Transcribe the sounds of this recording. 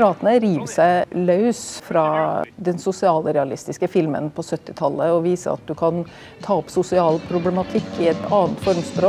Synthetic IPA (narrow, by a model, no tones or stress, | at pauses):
ɾɑːt̪ənəɾiːʋsæɪlɑʉsfɾɑd̪ɛnsʊsɪɑːlɾɛɑlɪst̪ɪskəfɪlmə̰npʰɔsœt̪ːɪt̪ʰɑlːəɔʋiːsə̰ɑ̰t̪̚d̪ʉkʰɑn | t̪ʰɑːɔpsʊsɪɑːlpʰɾʊblɛmɑt̪ʰɪkːɪɛt̪ɑːənt̪fɔɾmspɾoː